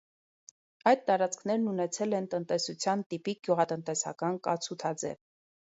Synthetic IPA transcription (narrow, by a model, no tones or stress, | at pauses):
ɑjd̪̚t̪ːɑɾɑt͡skʰn̪ɛɾnunɛt͡sʰɛlɛnt̪ənt̪ɛsut͡sʰjɑnt̪ipik̚ɡ̥juʁɑt̪ənt̪ɛsɑ̰kɑnkɑt͡sʰut̪ʰɑd͡zɛ̰v